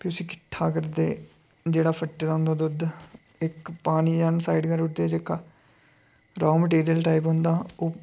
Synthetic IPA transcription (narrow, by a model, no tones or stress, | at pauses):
kɪʊsĩːkɪ̥ʈʰːaːkəɾd̪eː | d͡ʒeːɽaːpʰəʈːd̪aːʊ̃nd̪aːd̪ʊd̪ | ɪkpaːniːd͡ʒaːnsaːiɖkəɾʊʈd̪eːd͡ʒeːkːaː | ɾaːməʈeːɾijəlʈaːipɦʊ̃nd̪aːoː